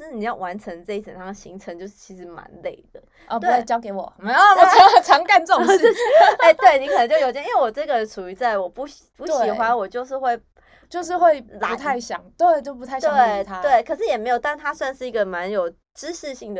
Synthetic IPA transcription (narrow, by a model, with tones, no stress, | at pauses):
ni˨˩jɑ˥˩ʊwʔa˧˦nʈ͡ʂʰə˧˥ŋʈ͡ʂɤ˥˧i˩ə̰˨˩nt̪a˥ŋ˩ɕi˧˥ŋʈ͡ʂʰə˧˦ŋt͡ɕjo˥˧ʊʂɻ̩˥˩t͡ɕʰi˧˥ʂɻ̩˧˥ma̰˧˦nlḛ˥˩ɪd̪ə˩ | ɔ˥˧˩a˥˩t͡ɕjɑ˥ʊke˧˥ɪwɔ˨˩˥ɔ˥˧˨ɑ˧˦˥t͡sʰɑ˧˥ŋka˥˧nt͡sə˥˩˨ | e˥˧ɪt̪we˥˩ɪni˧˥kʰə˨nə˧ŋt͡ɕo˥ʊjo˨˩t͡ɕi˥we˥˩wɔ˨˩ʈ͡ʂɤ˥˩ɡə˨ʈ͡ʂʰu˨˩y˧˥t͡sa˥˩ɪwɔ˨˩pu˧˥ɕ | pu˧˥ɕi˨˩xwa˦nwɔ˨˩t͡ɕjo˥˧ʊʂɻ̩˥˧xwe˥˩ɪ | t͡ɕjo˥˧ʊʂ̬ɻ̩˥˧xwe˥˩ɪla˨˧t̪ʰa˥˩ɪɕjɑ̰˨˩˦ŋt̪we˥˩ɪt͡ɕo˥˩ʊpu˧˥t̪ʰa˥˩˨t̪wwe˥˨˧ɪt̪ʰa˥˦t̪we˥˩ɪkʰɤ˨˩ʂɻ̩˥˩jɛ˨˩me˧˥jo˨˩t̪a˥˧nt̪ʰa˥swa˥˧nʂɻ̩˥˩i˧˥ɡə˨ma˧˦njo˨˩ʊ | ʈ͡ʂɻ̩˥ʂɻ̩˥˧ɕi˥˩ŋd̪ə˩